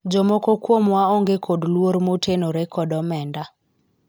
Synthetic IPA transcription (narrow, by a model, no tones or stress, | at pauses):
d͡ʒɔmɔkɔkwomwaoŋɡekʰodlwoɾmotʰenoɾɛkɔdɔmɛnda